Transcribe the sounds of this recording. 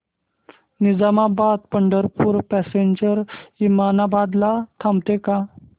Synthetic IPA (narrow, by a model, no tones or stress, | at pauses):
nid͡zamabad̪pəɳɖəɾpuːɾpɛseɲd͡ʑəɾimanabad̪lat̪ʰamt̪eka